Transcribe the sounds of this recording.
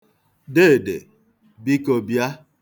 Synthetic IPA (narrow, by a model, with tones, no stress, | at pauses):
de˦˨dḛ˨ | bi˦ko˨bja˦